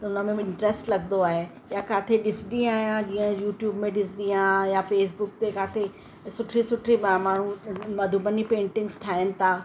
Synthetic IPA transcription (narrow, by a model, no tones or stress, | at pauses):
t̪ɐʊnəmẽɪ̃ɳʈɾesʈlɐɡnd̪oaːɦe | jakaːt̪ʰeɗɪsd̪ĩaːɦjãd͡ʑiːə̃juːʈjuːbmẽɗɪsd̪iãjafeːs̬bʊk̚t̪ekaːt̪ʰe | sʊʈʰɾisʊʈʰɾimamaːɳ̤ũmɐd̪ʱubənipẽːɳʈɪ̃ŋɡsʈʰaːɦɪnɪ̆t̪ʰaː